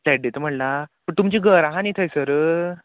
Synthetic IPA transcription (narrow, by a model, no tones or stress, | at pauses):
lɛʈ̚d̪et̪əm̤əɳlapəɳt̪umt͡ɕiːɡəɾaɦãnit̪ʰəjsəɾə